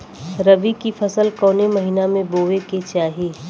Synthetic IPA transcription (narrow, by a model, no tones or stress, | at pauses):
ɾəbikipʰəsəlkɔːneməɦinamẽboːʋeket͡ʃaːɦi